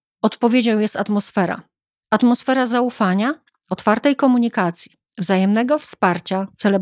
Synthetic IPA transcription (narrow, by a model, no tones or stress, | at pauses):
ɔt̪pɔvʲjed͡ʑɔ̃w̃jɛst̪at̪mɔsfɛɾa̰ | at̪mɔsfɛɾazaufaɲa | ɔt̪faɾt̪ɛjkɔmuɲikat̪sʲji | vzajɛmnɛɡɔfspaɾt͡ɕat̪sɛlɛ